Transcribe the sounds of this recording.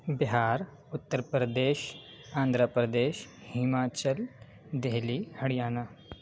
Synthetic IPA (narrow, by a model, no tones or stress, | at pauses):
bɪɦaːɾ | ʊt̪ːəɾpɾəd̪eːʃ | ãːnd̪ʱɾəpɾəd̪eːʃhɪmaːt͡ɕəl | d̪eɦliːhɐɽijaːna